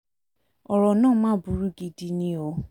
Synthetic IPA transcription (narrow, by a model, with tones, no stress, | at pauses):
ɔ˨ɾɔ˨nãː˦˨˦mãː˦bu˨˦ɾu˦ɡi˧di˧nĩ˦o˨˦